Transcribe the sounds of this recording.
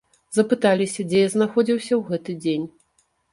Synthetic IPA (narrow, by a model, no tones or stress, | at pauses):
zɐpɨt̪alʲisʲɐd͡zʲɛjaznaxɔd͡zʲiwsʲɐwɣɛt̪ɨd͡zʲenʲ